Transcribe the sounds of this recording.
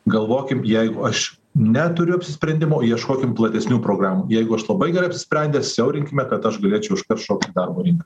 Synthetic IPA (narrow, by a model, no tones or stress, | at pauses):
ɡɐlˠʋoːkʲɪmjɛɪɡʊɐʃ | nʲɛt̪ʊɾʲʊɐpʲsʲɪsʲpʲɾʲɛnʲd̪ʲɪmoːjiɛʃkoːkʲɪmplˠɐt̪ʲɛsʲnʲuːpɾoːɡɾɑːmuːjɛɪɡʊɐʃlˠɐbɐɪɡʲɛɾɐɪɐpʲsʲɪ̥sʲpʲɾʲɛnd̪ʲesʲɛʊɾʲɪŋʲkʲɪmʲɛkɐt̪ɐʃɡɐlʲeːt͡ʃʲɛʊʊʃkɐrʃoːkt̪ʲɪd̪ɐrboːɾʲɪŋkɐ